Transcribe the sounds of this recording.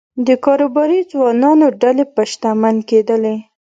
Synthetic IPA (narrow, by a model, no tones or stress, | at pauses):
d̪əkɑɾobɑɾizwɑnɑnoɖalepaʃt̪amanked̪əle